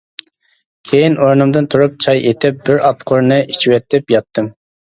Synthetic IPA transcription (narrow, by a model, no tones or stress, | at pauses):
kʲʰejinoɾnɨmd̪ɨnt̪ʰuɾup̚t͡ʃʰɑjet̪ʰɪp̚bɪɾɑpqʰʊɾnɨʔi̥t͡ʃʰiwɛt̪ʰːɪpjɑt̪ːɨm